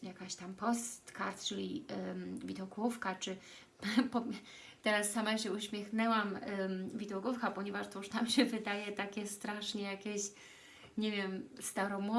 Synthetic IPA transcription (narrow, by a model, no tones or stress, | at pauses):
jakaɕt̪ampɔst̪kaɾt̪t͡ʂɘlʲi | vʲid̪ɔkufkat͡ʂɘ | pɔ | t̪ɛɾasːamaɕɛuɕmʲjɛxnɛwamvʲid̪ɔkufkapɔɲɛvaʂt̪ɔuʂnamɕɛvɘd̪ajɛt̪akʲɛst̪ɾaʂɲɛjakʲeɕ | ɲɛvʲjɛmst̪aɾɔmɔ